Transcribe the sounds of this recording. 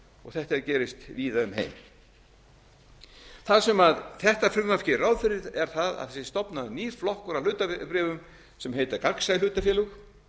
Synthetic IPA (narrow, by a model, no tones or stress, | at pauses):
ɔɣθɛht̪ɛɾcɛːɾɪst̪viːðaʏmɦḛjm | θaðsɛmaðθɛht̪afɾʏmmafcɪrawðfɪɾɪðɛɾ̥θaða̰ðθɛsɪst̪ɔpnaðniːɾ̥flɔhkʏɾawlʏːt̪apɾɛːvʏm | sɛmɦejt̪akaksajlʏːt̪afjɛːlʏx